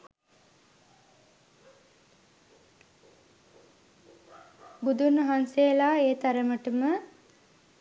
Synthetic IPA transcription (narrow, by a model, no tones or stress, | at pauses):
bud̪unəɦanseːlaːeːt̪aɾəməʈəmə